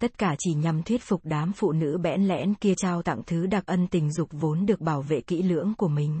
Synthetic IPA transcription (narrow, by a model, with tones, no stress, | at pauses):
t̪ə˦˥t̚kaː˧˩t͡ɕi˧˩ɲa˨˩mt̪ʰwi˦˥ət̚fʊ˨˩k͡p̚ɗaː˨˦mfṵ˧˨nɨ̰˧˥ɓɛ̰˧˥nlɛ̰˧˥nki˧ət͡ɕaː˧wt̪a̰˧˨ŋt̪ʰɨ˨˦ɗa˨˩k̚ʔə˧nt̪ï˨˩ŋ̟zʊ˨˩k͡p̚vo˨˦nɗɨ˨˩ək̚ɓaː˧˩wvḛ˧˨kḭ˧˥lɨ̰˧˥əŋku˧˩əmï˨˩ŋ̟